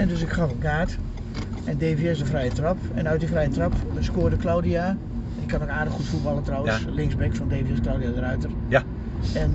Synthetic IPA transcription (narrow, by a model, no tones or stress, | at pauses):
ɛndøsɪkχɑfənkaːt | ɛndeːvjɪsdəfrɛjətrɑpɛnœɥtdifrɛjətrɑpskoːərdəklowdia | ɛnɪkʰːanokaːdəxutfut̚bɑlˠətrawəslɪŋzbɛkfɔndeːvijɪsklawdiadərœɥtər | ɛn